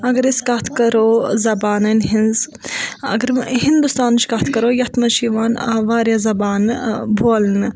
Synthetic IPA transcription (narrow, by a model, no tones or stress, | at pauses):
ɐɡɐɾiskɐt̪ʰkɐɾoːzɐbaːnɐnʲɦinz | ɐ̰ɡɐɾɦind̪ust̪aːnt͡ʃʰkɐt̪ʰkɐɾoːjɐt̪ʰmɐt͡ʃʰiʋaːnɐʋaːɾjaːzɐbaːnbʱoːlnɨ